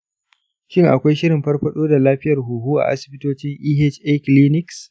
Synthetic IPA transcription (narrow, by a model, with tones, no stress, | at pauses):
ʃɪ˦ŋʔa̰˨kʷa˦jʃɪ˦ɾɪ˨mɸɐ˦rɸɐ˦ɗoː˦da˨laː˦ɸɪ˦jɐ˨rɦuː˨ɦuː˦ʔa̰˨ʔa̰˦sɪ̥˨bɪ˦toː˦t͡ʃɪ˦ŋʔiː˦ɦe˦t͡ʃʔɛ˦kliː˦nɪ˦ks